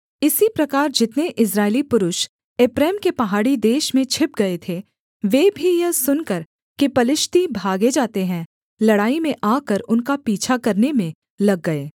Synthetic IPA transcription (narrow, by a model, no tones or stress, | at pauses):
ɪsipɾɐkaːɾd͡ʒɪt̪neʔɪs̬ɾaːɪlipʊɾʊʃ | eːpɾɛːmkepɐɦaːɽid̪eːʃmẽt͡ʃʰɪp̚ɡɐet̪ʰe | ʋeːbʱijɐsʊnkɐɾ | kipɐlɪʃt̪ibʱaːɡed͡ʒaːt̪eɦɛ̃ | lɐɽaːimẽʔaːkəɾʊnkapiːt͡ʃʰakɐɾnemẽ | lɐɡːɐeː